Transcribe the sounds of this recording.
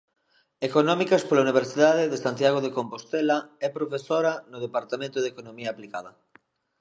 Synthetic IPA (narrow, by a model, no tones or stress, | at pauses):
ekonɔmikɐspolauniβ̞eɾsiðaðeðesant̪jaɣ̞oðekompost̪ɛlaɛpɾofesoɾɐnoð̞epaɾt̪amẽnt̪ʊðekonomiaːplikaðɐ